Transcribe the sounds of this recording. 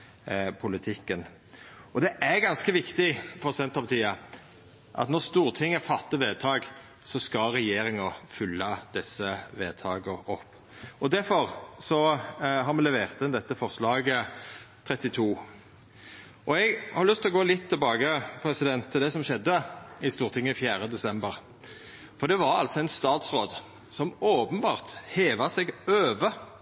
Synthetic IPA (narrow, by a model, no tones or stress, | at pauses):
pʰʊlɪt̪ʰɪkːən | ɔd̪ɛʔæɾɡɑnskəʋɪkt̪ɪfɔʁsɛnt̪ɑpt̪ʰiːə | ʔɑ̰t̪nɔʁst̪uːʁt̪ʰɪŋːəfɑt̪ːəʋeːd̪̚t̪ʰɑːɡ | sɔskɑlɾɛjeːɾɪŋɑfʏlːəd̪̥ɛsːəʋeːd̪̚t̪ʰɑːɡəɔpː | ɔd̪æɾfɔʁsɔɦɑɾmɛlɛʋeːʁt̪ɪnd̪ɛt̪ːəfɔʁslɑːɡət̪ʰɾɛt̪ːɪt̪ʰuː | ʔɔɛɡhɑɾlʉst̪lɔɡoːlɪt̪ʰːɪlbɑːɡəpʰɾɛsɪd̪ɛnt̪ʰːɪld̪ɛsɔmʃɛd̪ːəɪst̪uːʁt̪ʰɪŋːəɪfjæːʁəd̪ɛsɛmbəʁ | fɔɾd̪ɛʋɑɾɑ̰lsɔæɪnst̪ɑːt̪sʁoːd̪ | sɔmoːpənbɑːʁt̪heːʋəsɛɡøːʋə